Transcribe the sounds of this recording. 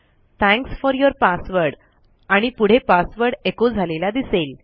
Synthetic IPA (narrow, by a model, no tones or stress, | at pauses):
t̪ʰɛ̃ŋksfɔɾjoɾpasʋəɾɽ | aɽ̃ipuɽ̤epasʋəɾɖekod͡zʱalelad̪isel